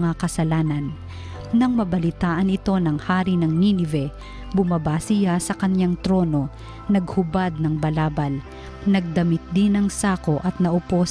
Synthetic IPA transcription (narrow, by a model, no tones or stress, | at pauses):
ŋakɐsɐlaːnɐnː | ɐŋmɐbɐlɪt̪aːʔɐnɪt̪o̞nɐŋhaːɾinɐŋninɪvɛ | bʊmɐbasɪjasɐkɐɲjaŋt̪ɾo̞ːno̞ | nɐɡ̚hʊbad̪̚nɐŋbɐlaːbɐl | nɐɡ̚d̪ɐmɪt̪̚d̪ɪnɐŋsaːko̞ʔɐt̪̚nɐʔʊpo̞